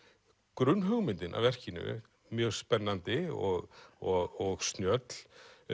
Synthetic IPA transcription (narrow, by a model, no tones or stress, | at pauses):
kɾʏnːɦœɣmɪnt̪ɪnʔa̰vɛr̥cɪnʏ̰ | mjœːɣspɛnːant̪ɪɔɣɔɣɔɣsnjœt̪l̥